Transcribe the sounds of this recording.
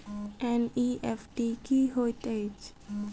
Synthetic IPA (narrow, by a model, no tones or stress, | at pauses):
ɛ̃niefʈikiɦot̪ed͡ʒ